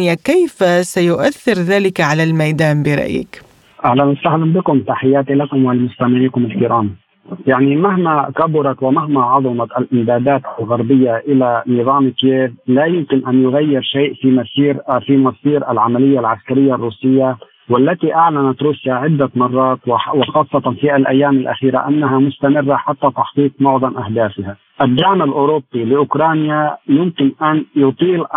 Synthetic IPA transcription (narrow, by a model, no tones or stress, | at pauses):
jakajfsajʊʔaθːɪɾðaːlɪkʕalalmajd̪aːnbɪɾˤɑ̰ʔjɪ̰k | ʔahlanwasahlanbɪkʊmt̪aħɪjːaːt̪ilakʊmwɪlɪmʊst̪amɪʕiːkʊmɪlkiɾaːm | jaʕnimaɦmakabʊɾˤɑkwɪmahmaʕɑðˤɑmɑʔalʔɪmd̪aːd̪aːt̪ʔalɣaɾbɪjːaʔɪlaniðˤɑːmkjeːvlajʊmkɪnʔanjʊɣajːɪɾʃaːʔfimasiːɾfimɑsiːɾʔalʕamalɪjːalʕaskaɾɪjːarˤːuːsɪjːa | wɪlːat̪iʔaʕlanat̪ɾuːsjaʕɪd̪ːamɑrˤːɑːt̪wwɪxɑːsˤːɑt̪ˤɑnfiʔalʔajːaːmalʔa̰xiːɾa̰ʔanːaɦamʊst̪amɪrːaħat̪ːat̪ɑħt̪ˤiːt̪̚mʊʕðˤɑmʔahd̪aːfɪha | ʔad̪ːaʕmalʔoːɾʊbːilɪʔʊkɾɑːnjajʊmkɪnʔanjʊt̪ˤiːl